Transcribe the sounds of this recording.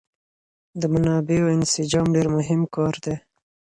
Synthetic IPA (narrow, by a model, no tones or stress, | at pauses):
d̪əmanɑbeoɪnsɪd͡ʒɑmɖeɾmʊɦɪmkɑɾd̪e